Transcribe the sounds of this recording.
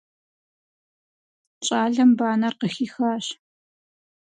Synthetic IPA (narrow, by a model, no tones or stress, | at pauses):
t͡ʃʼaːɮɐmbaːnɐrqəxiːxaːɕ